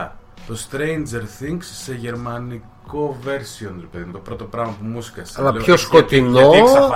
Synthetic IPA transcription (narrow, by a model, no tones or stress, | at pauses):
t̪o̞st̪ɾejnd͡ʒe̞ɾθiŋɡsːe̞ʝe̞ɾmɐniko̞ve̞ɾsionɾepe̞ðimut̪opɾo̞t̪o̞pɾɐmɐpumusi̥kɐsɐlɐleçoskot̪inooisɐɐ